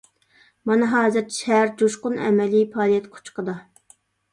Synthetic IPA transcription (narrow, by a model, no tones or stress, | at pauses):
mɑnɨɦɑːzɨɾʰʃæɾd͡ʒoʃqʊnɛ̰mɛlipʰɑːlˠijɛt̪qʰʊ̥t͡ʃqʰəd̪ɑ